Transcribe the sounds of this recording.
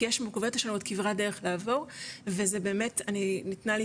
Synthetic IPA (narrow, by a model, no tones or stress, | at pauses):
jeʃmokavot̪haʃanuotkivʁadeʁeχlaːvo̞ʁve̞zebe̞ːme̞taninitnali